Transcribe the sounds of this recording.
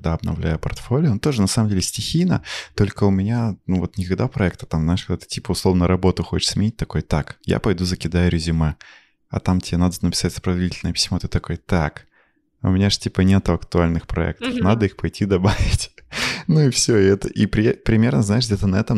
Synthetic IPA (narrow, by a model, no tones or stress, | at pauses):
ɡd̪aɐbnɐ̰vlʲæ̰jʊpɐ̰rt̪folʲɪjʊnt̪o̞ʐɨnɐsaməmdʲelʲɪsʲtʲɪxʲijnə̰t̪o̞lʲkəʊmʲɪnʲanuvo̞t̪nʲɪkɐɡd̪apɾɐɛk̚t̪ə̥t̪amzaɪʂkɐɡd̪at̪ɨ̥tʲipəʊslˠo̞vnəɾɐbo̞t̪ʊxot͡ɕɪ̥ʂsmʲɪnʲit̚ʲt̪ɐkojt̪akja̰pɐjd̪uzəkʲɪd̪ajʊɾʲɪzʲɪmɛ | ɐ̰t̪amtʲɪenad̪ənəpʲɪ̥satʲsə̥pɾəd̪vɐdʲitʲlʲnəjəpʲɪ̥sʲmot̪ɨt̪ːɐko̞jət̪ak | ʊ̰mʲɪnʲaʐtʲipənʲet̪ʊɐkt̪ʊalʲnɨxpɾɐɛ̰k̚t̪ə̥fnad̪əixpɐjtʲʰid̪ɐbavʲɪtʲnuɪfsʲoɪɛt̪əʔipɾʲɪpɾʲɪmʲe̞rnəznaɪʂɡdʲet̪ənɐɛt̪əm